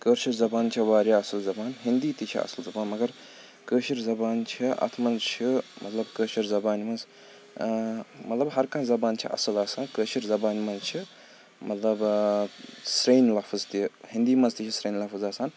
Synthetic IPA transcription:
kəːɾʃiɾzɐbaːnt͡ʃʰiʋaːɾjaːɐsɨlzɐbaːnɦind̪iːt̪it͡ʃʰiɐ̰sɨlzɐbaːnmɐɡɐɾ | kəːʃiɾzɐbaːnt͡ʃʰiʔɐ̰t̪ʰmɐnzt͡ʃʰimʔɐt̪lɐbkəːʃiɾzɐbaːnmɐnz | mɐt̪lɐbɦɐɾkãːzɐbaːnt͡ʃʰḭʔɐ̰sɨlaːsaːnkəːʃiɾzɐbaːnmɐnzt͡ʃʰi | mɐt̪lɐb | sɾeːnlɐfʰɐzt̪ihind̪iːmɐnzt̪it͡ʃʰisɾeːnlɐfɐzaːsaːn

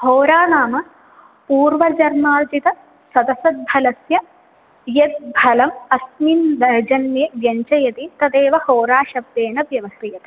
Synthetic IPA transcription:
hoːɾaːnaːmɐ | puːɾʋɐd͡ʒɐɾmaːd͡ʒit̪ɐ | sɐd̪ɐsɐd̪̚bʱɐlɐsjɐ | jɐt̪̚bʱɐlɐmɐsmind̪ɐd͡ʒɐnjeːʋjɐɲt͡ʃɐjɐt̪it̪ɐd̪eːʋɐhoːɾaːʃɐb̚d̪eːnɐʋjɐʋɐsɾijɐt̪ɐ

